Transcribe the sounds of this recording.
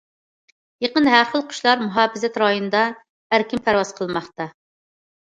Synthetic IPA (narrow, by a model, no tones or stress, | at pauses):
jeqənɦæɾχəlˠqʰʊ̥ʃlˠɑɾmuɦɑːbɪzɛt̪ɾɑjunɨd̪ɑ | æɾkʲimpʰæɾwɑz̥qʰəlˠmɑχt̪ɑ